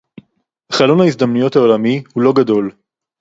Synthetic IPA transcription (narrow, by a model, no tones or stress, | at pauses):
χalo̞nhaisd̪amnujo̞thao̞lamihulo̞ɡad̪o̞l